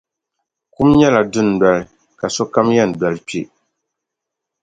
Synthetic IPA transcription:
ku˦mɲɛ˦la˨dʊ˦n˨bɛ˨l | ka˨sɔ˦ka˦mjɛ˦˨n˨bɛ˨lɨ˦pi˦e˨ʔ

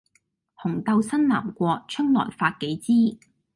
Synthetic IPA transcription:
hʊ˨˩ŋt̪ɐ˧wsɐ˥nlaː˨˩mkʷɔː˧k̚t͡ʃʰɵ˥ŋlɔ̰ː˨˩jfaː˧t̚ke˨˥jt͡siː˥

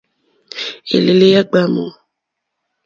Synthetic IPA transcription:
ḛ˨le˨le˦ja˦ɡ͡ba˦mo̰˨

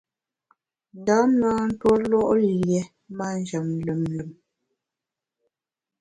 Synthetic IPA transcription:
n˨da˨˦mnaː˦n̩˦two˦lɔ˦ʔljɛ˨˦ | ma˦˨n˨d͡ʒə˨m˨lʉ˨mlʉ˨m

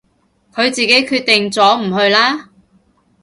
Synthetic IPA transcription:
kʰɵ˨˧ɥt͡siː˨ke˨˥jkʰyː˧t̚t̪ɪ˨ŋt͡sɔː˨˥m̩˨˩hɵ˧ɥlaː˥

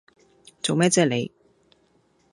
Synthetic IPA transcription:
t͡so˨wmɛː˥t͡sɛː˥le˨˧j

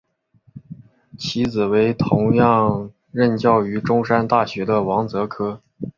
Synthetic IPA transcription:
t͡ɕʰi˧˥t͡sɹ̩˨˩we˧˥ɪt̪ʰʊ˧˥ŋjɑ˥˧ŋ | ɻə˥˧nt͡ɕjɑ˥˩ʊy˧˥ʈ͡ʂʊ˥ŋʂa˥nt̪a˥˩ɕɥɛ˧˥d̪ə˧wɑ˧˥ŋt͡sɤ˧˥kʰɤ˥

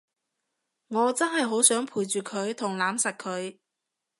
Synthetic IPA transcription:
ŋɔː˨˧t͡sɐ˥nhɐ˨jɦo˨˥wsœː˨˥ŋpʰuː˨˩jt͡ʃyː˨kʰɵ˨˧ɥt̪ʰʊ˨˩ŋlaː˨˥msɐ˨t̚kʰɵ˨˧ɥ

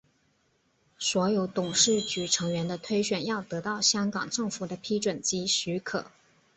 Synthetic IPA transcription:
swɔ˧˥jo˧˥ʊt̪ʊ˨˩ŋʂɻ̩˥˩t͡ɕy˨˩ʈ͡ʂʰɤ˧˥ŋɥɛ˧˥nd̪ə˧t̪ʰwe˥ɪɕɥɛ˨˩njɑ˥˩ʊt̪ɤ˧˥t̪ɑ˥˩ʊɕjɑ˥ŋkɑ̰˨˩ŋʈ͡ʂɤ˥˩ŋfu˨˩d̪ə˦pʰi˥ʈ͡ʂwə˨˩nt͡ɕi˥ɕy˧˥kʰɤ̰˨˩˦

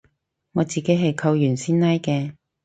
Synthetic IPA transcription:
ŋɔː˨˧t͡siː˨ke˨˥jɦɐ˨jkʰɐ˧wjyː˨˩nsiː˥nnɐ˥jkɛː˧

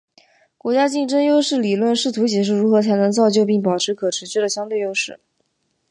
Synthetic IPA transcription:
kwɔ˧˥t͡ɕja˥t͡ɕi˥˩ŋʈ͡ʂə˥ŋjo˥ʊʂɻ̩˥˩li˨˩lwə˥˧nʂɻ̩˥˩t̪ʰu˧˥t͡ɕjɛ˨˩ʂ̬ɻu˥˩ɻu˧˥xɤ˧˥t͡sʰa˧˥ɪnɤ˧˥ŋt͡sɑ˥˧ʊt͡ɕjo˥˧ʊpi˥˩ŋpɑ˨˩ʊʈ͡ʂʰɻ̩˧˥kʰɤ˨˩ʈ͡ʂʰɻ̩˧˥t͡ɕɥɛ˥˩d̪ə˨˩ɕjɑ˥ŋt̪we˥˩ɪjo˥ʊʂɻ̩˥˩

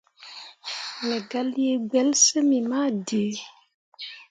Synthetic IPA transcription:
mɛ˨ɡa˨˦lje˦ɡ͡bɛ˨˦lsə˦mi˨ma˦˨de˨˦

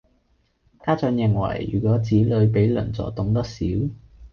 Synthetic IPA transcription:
t̪ʰaː˥t͡sœː˨˧ŋjɪ˨˩ŋwɐ̰˨˩jjy̰ː˨˩kʷɔː˨˥t͡siː˨˥lɵ˨˧ɥpe˨˥jlɵ̰˨˩nt͡sɔ̰ː˨˩t̪ʊ˨˧ŋt̪ɐ˥k̚siː˨˥w

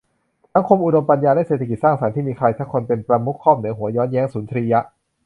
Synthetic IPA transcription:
sa˩˦ŋkʰo˧mʔu˨˧do˧mpa˧njaː˧daː˥˩seː˨˩t̪ʰa˧˩ki˨˩t̪̚saː˥˩ŋsa˩˦nt̪ʰiː˥˩miː˧kʰɾa˧jt̪ʰa˦˥kʰːo˧npe˧npɾa˧mu˦˥t̚kʰːɔː˥˩m̚nɯː˩˦ɦu˩˦ɐjɔː˦˥njɛː˦˥ŋsuː˩˦nt̪ʰɾiː˧ja˦˥ʔ

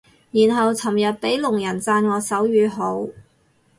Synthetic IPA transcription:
jiː˨˩nɦɐ˨wt͡sʰɐ˨˩mjœː˨t̚pe˨˥jlʊ˨˩ŋjɐ˨˩nt͡saː˧nwɔː˨˧sɐ˨˥wjyː˨˧ɦo˨˥w

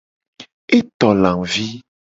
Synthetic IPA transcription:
e˦t̪ɔ˨lã˨ŋvi˦

